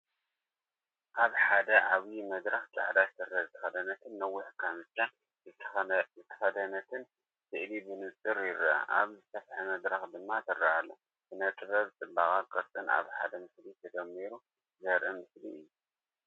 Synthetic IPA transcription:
ʔaβħad̪ɐʕaβjimɐd̪ɾɐxt͡sʼa̰ʕd̪azɨsɨrːɐzɨt̪ʰɐ̥xɐd̪ɐnɐt̪ʰɨnːɐwːʊħkʰamɨt͡ʃːa | zɨt̪ʰɐzɨt̪ʰɐ̥xɐd̪ɐnɐt̪ʰɨn | sɨʔlibɨnɨt͡s̪ʼɨɾjɪɾa̰ʔa̰βzɨsɐfħamɐd̪ɾɐxd̪ɨmːat̪ʰɨrːɐalːo | bɨnɐt̪ʼɨβɐβt͡s̪ʼɨbakʼakʼɐɾt̪ʼɨna̰βħad̪ɐmɨslit̪ʰɐd̪ɐmːiɾu | zɐɾʔɐmɨsliɨjːu

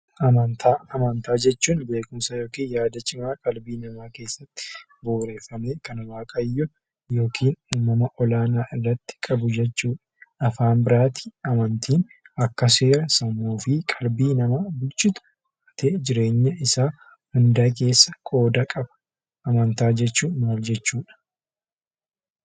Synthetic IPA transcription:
ʔɐmɐnt̪ʰaːɐmɐnt̪aːd͡ʒɛt͡ʃːuːnbe̞ːkʊmsɐjoːkiːnjaːd̪ɐt͡ʃʼɪmaːkʼɐlbiːnɐmaːke̞ːsːɐt̪ːɪ̥ | boːɾeːfːɐmeːkɐnɐwaːkʼɐjːʊ | jo̞ːkʰiːnuːmːɐmɐʔɔlaːnaːʔɪrːɐt̪ːɪ̥kʼɐbʊd͡ʒɛt͡ʃːuːᶑɐ̥ɐfaːnbɪɾaːt̪i̥ɐmɐnt̪ʰiːnɐkːɐseːɾɐsɐmuːfɪkʼɐlbiːnɐmaːbʊlt͡ʃʼːɪt̪ʊ̥ | ɐt̪eːd͡ʒɪɾe̞ːɲːɐɪsaː | hʊnd̪aːk̬e̞ːsːɐkʼo̞ːd̪ɐkʼɐbɐ̥ | ʔɐmɐnt̪aːd͡ʒɛt͡ʃːuːnmaːld͡ʒɛt͡ʃːuːᶑɐ̥

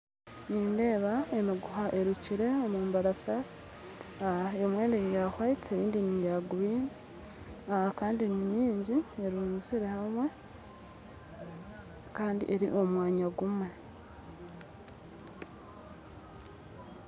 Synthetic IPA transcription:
niːnde̞ːβae̞miɡuhaʔeɾuciɾe̞omuːmbaɾasasi̥ | aaemwe̞ːndejaxwaiteɾiːndinijaɡuβiːni | ahakaːndinimiːɲɟieɾuːnziɾe̞hamwe̞ | kaːndḭʔe̞ɾiʔo̞mwaːɲaɡumwe̞

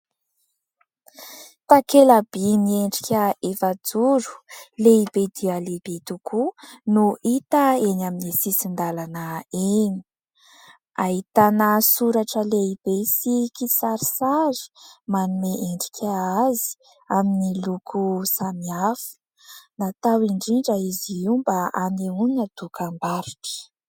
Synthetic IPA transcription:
t̪akelab̥inieɳɖ͡ʐikʲəefad͡zuɾu̥leibed̪ialeb̥et̪ukʰunuit̪əenaminisisind̪alanəeni̥ | aɦit̪anəsuɾaʈ͡ʂəleibesikisaɾisazi̥manumeʔeɳɖ͡ʐi̥kʰʲaazi̥ | aminilukʰusamiafə̥ | nat̪awiɳɖ͡ʐiɳɖ͡ʐəiziiwmbaaneunad̪ukʰambaɾiʈ͡ʂə̥

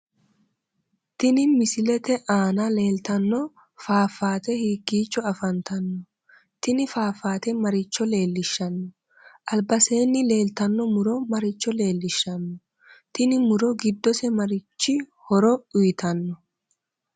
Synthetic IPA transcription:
t̪ɪnɪmɪsɪlɛt̪ɛʔaːnale̞ːlt̪ɐnːɔ | faːfːaːt̪ɛhiːɡiːt͡ʃːɔɐfɐnt̪ɐnːɔ | t̪ɪnɪfaːfaːt̪ɛmɐɾɪt͡ʃːɔle̞ːlːɪʃːɐnːɔ | ʔɐlbɐse̞ːnːɪle̞ːlt̪ɐnːɔmʊɾɔmɐɾɪt͡ʃːɔle̞ːlːɪʃːɐnːɔ | t̪ɪnɪmʊɾɔɡɪd̪ːɔsɛmɐɾɪt͡ʃːɪhɔɾɔʊjɪt̪ʰɐnːɔ

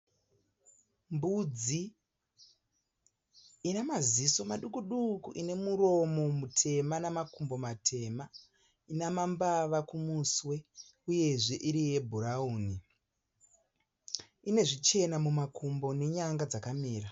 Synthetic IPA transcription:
mbud͡zi | namaziso̞maɗukuɗukuʔine̞muɾo̞mo̞mutʰe̞manamakumbo̞matʰe̞ma | inamambaʋakumuswe̞ | uje̞ʐe̞ʔiɾije̞bʱuɾauːni | ine̞ʐit͡ʃe̞namumakʰumbo̞ne̞ɲaŋɡad͡zakamiːra

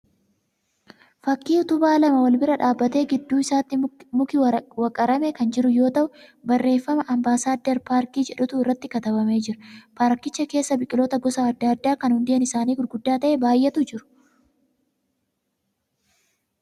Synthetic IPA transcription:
fɐkːiːʊt̪ʊbaːlɐmɐwɐlbɪɾɐᶑaːbːɐt̪e̞ːɡɪd̪ːuːɪsaːt̪ːɪmʊkɪwɐkʼɐɾɐmɛkɐnd͡ʒɪɾʊjo̞ːt̪ɐʔʊbɐrːe̞ːfːɐmɐʔɐmbaːsaːd̪ːɛɾpaːɾkiːd͡ʒɛᶑʊt̪ʊɪrːɐt̪ːɪkɐt̪ɐbɐme̞ːd͡ʒɪɾɐ̥paːɾkɪt͡ʃːɐke̞ːsːɐbɪkʼɪloːt̪ɐɡɔsaɐd̪ːɐɐd̪ːaːkɐnhʊnd̪ɪɐnɪsaːniːɡʊɾɡʊd̪ːaːt̪ɐʔebaːjʔɛt̪ʊd͡ʒɪɾʊ̥

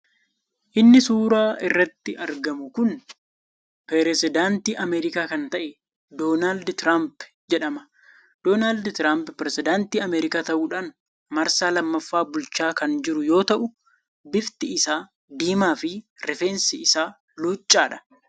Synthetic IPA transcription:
ʔɪnːɪsuːɾaːʔɪrːɐt̪ːɪʔɐɾɡɐmʊkʊn | pɾɛɾɛsɪd̪aːnt̪iːʔɐmɛːɾɪkaːkɐnt̪ɐʔɛ | d̪o̞ːnaːld̪t̪ɾaːmp | d͡ʒɛᶑɐmɐ̥ | d̪̥oːnaːld̪t̪ɾaːmppɾɛsɪd̪aːnt̪iːɐmeːɾɪkaːt̪ɐʔuːᶑaːn | mɐɾsaːlɐmːɐfːaːbʊlt͡ʃaːkɐnd͡ʒɪɾʊjo̞ːt̪ɐʔʊ | bɪft̪ɪɪsaː | d̪iːmaːfɪɾɛfeːnsɪɪsaː | luːt͡ʃʼːaːᶑɐ̥

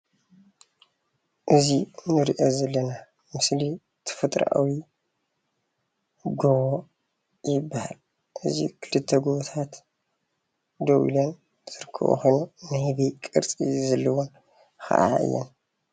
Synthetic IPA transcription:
ʔɨzinɨɾiʔo̞zɐlːɐna | mɨsli | t̪ʰɐ̥fɐt̪ʼɾʔa̰wi | ɡoβo | jɪbːaha̰l | ʔɨzḭkʰɨlɨt̪ʰːɐɡuβot̪ʰat̪ | d̪owḭlɐn | z̥ɨɾɨkʰːɨ̰βṵxʰojnunɨhɨβikʼɨ̰ɾt͡sʼizɐlːɐwon | kʰɐ̰ʔa̰ʔɨ̰jːɛ̰n

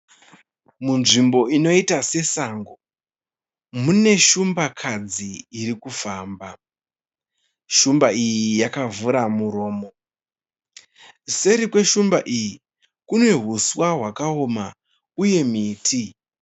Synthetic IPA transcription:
munʐimbo̞ino̞itase̞saːŋɡo | mune̞ʃumbakʰad͡ziːɾikufaːmba | ʃumbaijijakavuɾamuɾo̞ːmo̞ | se̞ɾikwe̞ʃumbaʔiji | kune̞ɦuswaɦwakaoma | uje̞miːtʰi

